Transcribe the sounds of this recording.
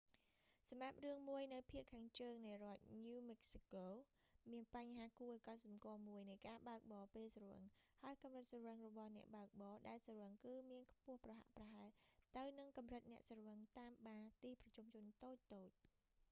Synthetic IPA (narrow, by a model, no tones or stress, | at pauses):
sɑmrap̚rɨəŋmuəjnɨwpʰiəʔkʰaːŋt͡ɕəːŋnɨjrŏət̪̚ɲuːmɛk̚sikoː | miənpaɲɦaːkuəʔəkɑt̪̚sɑmkŏəmuəjnɨjkaːɓaək̚ɓɑːpeːlsruə̰ŋhaəjkɑmrɨt̪̚srəŋrɔɓɑhnɛ̆əʔɓaək̚ɓɑːɗaɛlsrəŋkɨːmiənkʰpʊ̆əhprɑɦa̰ʔprɑɦaɛlt̪ɨwnɨŋkɑmrɨt̪̚nɛ̆əʔsəŋt̪aːmɓaːt̪iːprɑt͡ɕumt͡ɕʊ̆ənt̪oːc̚t̪oːc̚